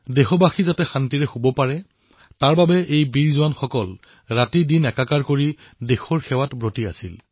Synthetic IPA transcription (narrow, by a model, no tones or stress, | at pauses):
dexɔbaxizatɛxantiɹɛxobɔpaɹɛ | taɹbabɛʔejbiɹzʊwanxɔkɔl | ɹatidinɛkakaɹkoɹi | dexɔɹxɛwatbɹotia̰sḭl